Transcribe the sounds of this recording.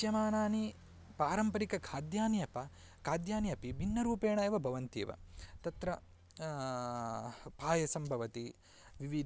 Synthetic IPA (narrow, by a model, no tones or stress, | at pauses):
jɐmaːnaːni | paːɾɐmpɐɾikɐkʰaːd̪jaːnijɐpɐ | kʰaːd̪jaːnijɐpibʱinːɐɾuːpeːɳɐjʋɐbʱɐʋɐnt̪ḛːʋɐ̰t̪ɐt̪ɾɐ | paːjɐsɐmbʱɐʋɐt̪i | ʋiʋid̪